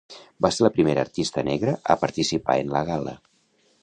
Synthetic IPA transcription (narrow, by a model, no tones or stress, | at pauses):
baseɾləpɾimeɾə̰ːɾt̪ist̪ənɛɣɾəʔəpəɾt̪isipa̰enləɣalə̰